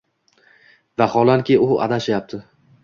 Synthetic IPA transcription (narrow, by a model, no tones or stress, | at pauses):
vaχɒlˠankʲɪʊa̰d̪aʃajap̚t̪ʰɪ